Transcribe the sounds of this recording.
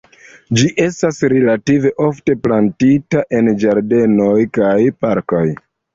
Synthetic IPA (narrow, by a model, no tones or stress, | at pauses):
d͡ʒiʔe̞stasɾe̞lative̞ʔo̞fte̞plantitaʔe̞nd͡ʒaɾde̞no̞jkajpaɾko̞j